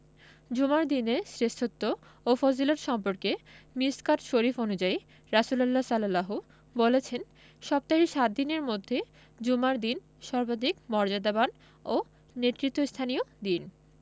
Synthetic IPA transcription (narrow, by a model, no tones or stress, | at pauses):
d͡ʑumaɾd̪ineɾsɾest̪ʰot̪ːo | ofoziloɾʃɔmpoɾkemiskaɾʃoɾifonud͡ʑai | ɾasulalːasalalaɦu | bolet͡ɕʰen | ʃɔb̚t̪aɦiʃat̪̚d̪ineɾmod̪ʱːe | d͡ʑumaɾd̪in | ʃɔɾbad̪ikmɔɾd͡ʑad̪aban | o | net̪ːɾit̪ːost̪ʰaniod̪in